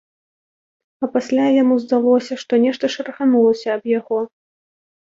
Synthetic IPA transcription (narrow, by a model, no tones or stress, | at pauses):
ɐpasʲlʲajamuzd̪alˠɔsʲɐʂt̪ɔnʲɛʂt̪ɐʂɐɾɐxanulˠɐsʲɐːbjaɣɔ